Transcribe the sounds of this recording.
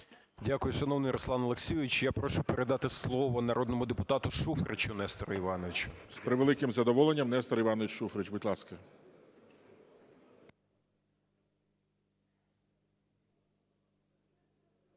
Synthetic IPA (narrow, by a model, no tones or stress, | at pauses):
dʲakʊjʊʃɐnɔwnɪjɾɔslˠɑnɔlˠeksʲijʋʲɪt͡ʃjapɾɔʃʊpeɾʔed̪ɑt̪ɪslˠɔʋɔnɐɾʔɔd̪nɔmʊd̪epʊt̪ɑt̪ʊʃufɾʔet͡ʃʊnɛst̪ɔɾɔiʋɑnɔʋɪt͡ʃʊ̥spɾɪʋelˠɪkɪmzɐd̪ɔʋɔlˠenʲːɐmnɛst̪ɔɾiʋɑnɔʋʲɪt͡ʃʃufɾɪt͡ʃbʊtʲlˠɑskɐ